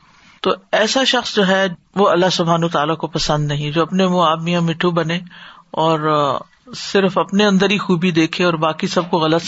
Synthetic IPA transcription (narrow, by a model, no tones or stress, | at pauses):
t̪oːɛːsaʃɐxsd͡ʒoːɦɛ | ʋoɐlːaɦsʊbʱɦaːnoːt̪aːlakopɐsə̃nd̪nɐɦĩd͡ʒoːɐpnemõaːd̪mijãmɪʈʰːubɐnẽɔːɾ | sɪɾfɐpneɐ̃nd̪əɾixuːbid̪eːkʰẽɔːɾbaːkisɐb̚koɣɐlət̪